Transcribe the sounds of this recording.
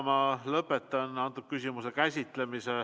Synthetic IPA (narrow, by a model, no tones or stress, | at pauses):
mɑlɤpːˑet̪ːˑɑnɑnt̪ud̥̪̚kysʲimuse̞kæsʲit̪ˑle̞mise